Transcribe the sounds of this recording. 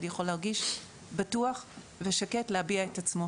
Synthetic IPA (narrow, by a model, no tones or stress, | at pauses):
nijaχo̞lhaʁɡiʃ | batuaχ | ve̞ʃaketlehabiaetat͡smo̞